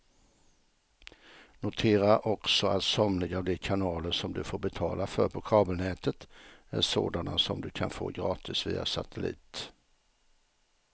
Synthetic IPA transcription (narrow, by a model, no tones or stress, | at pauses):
nʊt̪ʰeːɾaʔɔksɔat̪sɔmlɪɡɑːʋd̪iːkʰanɑːləʂɔmd̪ʉːfoːɾbət̪ʰɑːlafœɾpʰoːkʰɑːbəlnɛːt̪ət̪æ̰ːso̰ːd̪anasɔmd̪ʉːkʰɑnfo̰ːɡɾɑːt̪ʰɪsʋḭːa̰sat̪ʰəlḭːt̪